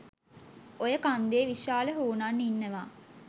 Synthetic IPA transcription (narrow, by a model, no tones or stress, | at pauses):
ojəkand̪eːʋiʃaːləɦuːnanːinːəʋaː